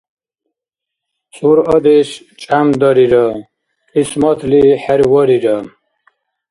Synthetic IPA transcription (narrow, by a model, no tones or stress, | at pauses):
suɾɔd̪ɛʃ | t͡ʃʼamd̪ɔɾiɾa | ismɔt̪ʰliħɛɾwɔɾiɾa